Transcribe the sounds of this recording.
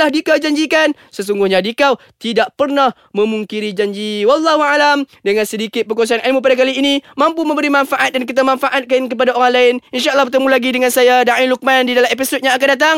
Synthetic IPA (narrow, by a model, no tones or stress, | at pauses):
ahdikawd͡ʒaɲd͡ʒikan | səs̬uŋɡʊhɲadikaw | t̪idaʔpərnah | mə̃muŋkiɾid͡ʒaɲd͡ʒiwalːɑɦualamdəŋansədikɪt̪̚pəkuas̬aanʔalmup̬adak̬aliːnimãmpumə̃mbəɾimãnfaʔat̪̚dankit̪̬amãnfaʔat̪̚kank̬əp̬adaoɾaŋlaɪninʃaʔəlːɑhbərt̪əmulaɡidəŋãnsajadaʔiluk̚mandidalamepisot̪̚ɲãakandat̪aŋ